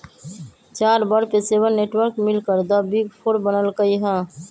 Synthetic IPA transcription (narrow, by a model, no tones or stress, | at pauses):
t͡ʃaːɾbəɾpesebəɾneʈwəɾkmɪlkəɾd̪abiɡpʰoɾbənəlkəiɦɛ̃ː